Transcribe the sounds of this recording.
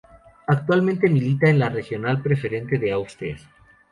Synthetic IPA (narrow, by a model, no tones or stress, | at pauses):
ak̚t̪walmẽnt̪emilit̪aenlare̞xjo̞nalpɾe̞fe̞ɾe̞nt̪e̞ðeawst̪es